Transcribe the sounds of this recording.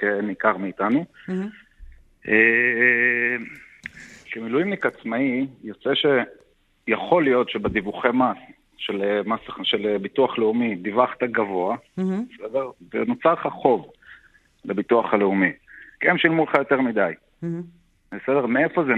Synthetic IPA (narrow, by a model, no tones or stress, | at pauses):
kenikaʁmiːtanu | ʔe | kemilujimnikat͡smaijo̞t͡seʃe̞ | jaχo̞lijo̞tʃe̞bed̪ivuχemas | ʃelemasaχʃelebit̪uaχle̞umid̪ivaχt̪aɡavo̞abesede̞ʁvḛnot͡saʁχaχo̞v | lebit̪uaχaleumikemʃilmuleχajo̞t̪eʁmid̪aj | besedeʁmee̞fo̞ze